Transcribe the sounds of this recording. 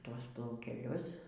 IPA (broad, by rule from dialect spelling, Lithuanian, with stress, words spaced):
ˈtuɔs plˠɐʊkʲɛˈlʲʊs